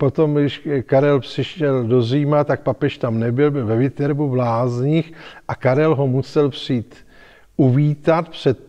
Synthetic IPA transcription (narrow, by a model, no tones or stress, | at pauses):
po̞t̪o̞mɡdɪʃkaɾɛlpr̥ɪʃɛldo̞ziːmat̪ak̚papɛʃt̪amnɛbɪlbɪlvɛvɪt̪ɛɾbuvlaːzɲɪxʔakaɾɛlɦo̞musɛlpr̝̥iːt̪ | uviːt̪at̪pr̝̥ɛt̪̚